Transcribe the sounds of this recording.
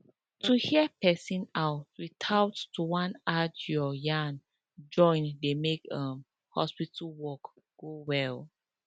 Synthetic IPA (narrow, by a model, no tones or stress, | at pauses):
tʰuhiəpɛsĩnaʊtwitʰaʊttuwãnad͡ʒɔjãn | d͡ʒɔ̃ɪ̃ndemekʌ̃m | hɔ̰spitəlwɔk | ɡ̥owɛl